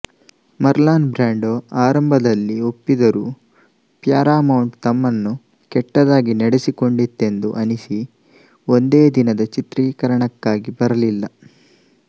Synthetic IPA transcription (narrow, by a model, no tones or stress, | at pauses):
mɐɾlaːnbɾaːɳɖoːaːɾɐmbʱɐd̪ɐlːio̞pːid̪ɐɾuː | pjaːɾaːmɐwɳʈt̪ɐmːɐnːu | kɛʈːɐd̪aːɡineɽesiko̞ɳɖit̪ːe̞nd̪ṵʔɐnisi | o̞nd̪eːd̪inɐd̪ɐt͡ʃit̪ɾiːkɐɾɐɳɐkːaːɡibɐɾɐlilːɐ